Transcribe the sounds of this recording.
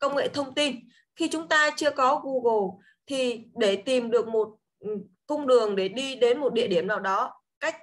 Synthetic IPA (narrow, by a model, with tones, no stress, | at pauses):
kə˧wŋ͡mŋḛ˧˨t̪ʰə˧wŋ͡mt̪i˧n | xi˧t͡ɕʊ˨˦ŋ͡mt̪aː˧t͡ɕɨ˧əkɔ˨˦ɣu˧ɣo˨˩ | t̪ʰi˨˩ɗe˧˩t̪i˨˩mɗɨ˨˩ək̚mo˨˩t̚ | kə˧ŋ͡mɗɨ˨˩əŋɗe˧˩ɗi˧ɗe˨˦nmo˨˩t̚ɗḭ˧˨əɗi˧˩əmvaː˨˩wɗɔ˨˦ | ka˦˥jk̟̚